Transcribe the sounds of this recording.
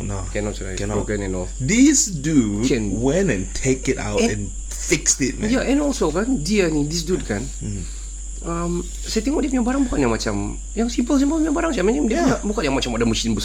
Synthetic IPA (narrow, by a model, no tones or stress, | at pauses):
nokɛnɔtt͡ʃla̰jnkɛnɛnɔldisduɛ̃nwɛ̃nɛ̃ntʰekɪta̰ʊtɛ̰̃n | fɪkstɪt̚jaʔɛ̃nɔlsokandiənidisdud̚kan | am | sajt̪ɛŋɔʔ̚diapuɲaʔbaɾaŋbukanjaŋmat͡ʃam | jaŋsimpəls̬impəlpuɲaʔbaɾaŋsajaʔmãnĩŋdiapɲabukanjaŋmat͡ʃamadamuʃinbəs